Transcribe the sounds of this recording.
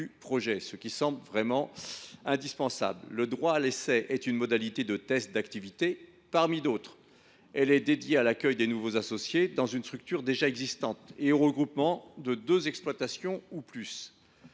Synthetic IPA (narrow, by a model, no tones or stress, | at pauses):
ypχɔʒɛsəkʲisɑ̃blvʁɛmɑ̃ɛ̃d̪ispɑ̃sa̰blːəd̪ʁwaːlesɛʔɛt̪ynmɔd̪alit̪ed̪ət̪ɛst̪̚d̪akt̪ivit̪e | paʁmid̪ot̪χ | ɛlɛd̪ed̪jealakʲœjd̪enuvozasɔsjed̪ɑ̃zynst̪χyk̚t̪yʁd̪eʒaɛɡzist̪ɑ̃t̪eoʁəɡʁupmɑ̃d̪əd̪øzɛksplwat̪asjɔ̃uplys